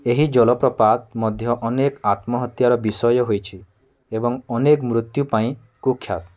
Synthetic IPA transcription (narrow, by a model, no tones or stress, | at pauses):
eɦid͡ʒɔlɔpɾɔpat̪̚mɔd̪ʱjɔʔɔnekat̪mɔɦɔt̪jaɾɔbisɔjɔɦojt͡ʃʰi | ebɔŋɔnekmɾut̪jupaĩ | kukʰːjat̪